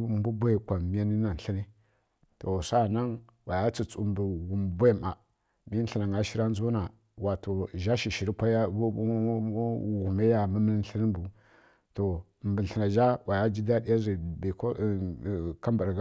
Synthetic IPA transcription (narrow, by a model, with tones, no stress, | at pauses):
m˦bu˦bʷa˦˨kʷa˨mi˦ja˦ni˦na˨n̩˨ɬi˦ni˦ | to˨sa˦˨na˦ŋ | wʔa˨ja˦t͡si˨t͡su˦mbu˨ɣu˨mbʷa˦˨ma˨ | mi˦n̩˦ə˦na˨ŋa˦ʃi˦ɾa˦n˦zu˦na˨ | wa˨to˨ʒa˦ʃi˨ʃi˨ɾi˦pa˦jɣu˨me˦ja˨mə˦mə˦n˦n˦ɬi˦ni˦mbu˨ | to˨ | mbə˨ə˨na˨ʒa˦wʔa˨ja˦d͡ʒi˦da˦di˦ja˦zi˨bi˨k | ka˦mba˨ɾɡ